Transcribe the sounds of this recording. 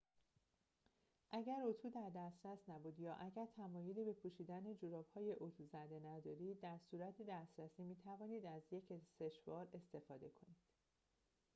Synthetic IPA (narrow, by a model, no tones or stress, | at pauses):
ʔæɟæɾot̪ʰuːd̪æɾd̪æst̪ɾæsnæbuːd̪jɒːʔæɟæɾt̪ʰæmɒːjoliːbe̞pʰuʃiːd̪æned͡ʒoɾɒːb̥hɒːje̞ʔot̪ʰuːzæd̪e̞næd̪ɒːɾiːd̪ːæɾsuːɾæt̪ʰid̪æst̪ɾæsiːmiːt̪ʰævɒːniːd̪æzje̞cʰeseʃvɒːɾe̞st̪e̞fɒːd̪e̞kʰo̞niːd̪̥